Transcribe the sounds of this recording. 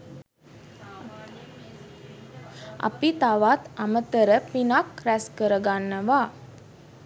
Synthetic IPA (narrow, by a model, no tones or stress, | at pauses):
a̰pit̪aʋat̪amət̪əɾəpinakɾæskəɾəɡanːəʋa